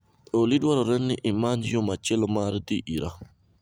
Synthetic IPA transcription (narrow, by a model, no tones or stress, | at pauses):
olidwaɾɔɾɛnːɪʔɪmaɲjomat͡ʃɛlɔmaɾd̪iʔiɾa